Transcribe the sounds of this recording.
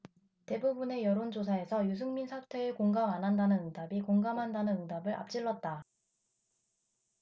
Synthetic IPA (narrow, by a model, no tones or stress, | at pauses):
te̞bubune̞jʌɾond͡ʑosʰae̞sʰʌjus̬ʰɯŋminsʰatʰwe̞ɯkoŋɡamanɦandanɯnɯŋdabikoŋɡamɦandanɯnɯŋdabɯɾʔa̰p̚t͡ɕ͈iɭːʌt̚t͈a